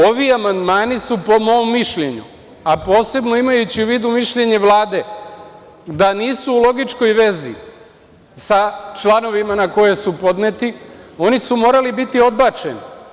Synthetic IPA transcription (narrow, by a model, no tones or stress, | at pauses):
o̞ʋiamand̪maːnisupo̞mo̞omːiʃʎeɲṵ | apo̞ːse̞bno̞imajut͡ɕiuʋiːd̪umiʃʎe̞ɲe̞ʋlˠaːd̪e̞ | d̪aniːsuːlˠo̞ɡit͡ʃko̞jʋe̞zḭ | sat͡ʃlano̞ʋimanako̞je̞supo̞d̪net̪io̞nisumo̞ːɾalibit̪io̞d̪bat͡ʃḛnḭ